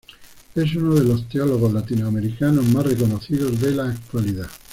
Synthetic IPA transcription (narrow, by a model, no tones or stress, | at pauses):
es̬unoðelost̪eoloɣ̞ozlat̪inoameɾikanozmasrekonoθiðozðelaːk̚t̪waliða